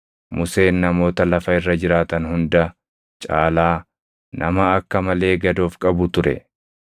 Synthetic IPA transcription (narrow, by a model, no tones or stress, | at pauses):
mʊse̞ːnːɐmo̞ːt̪ɐlɐfɐɪrːɐd͡ʒɪɾaːt̪ɐnhʊnd̪ɐ | t͡ʃʼaːlaː | nʔɐmɐɐkːɐmɐle̞ːɡɐd̪o̞ːfkʼɐbʊt̪ʊɾɛ̰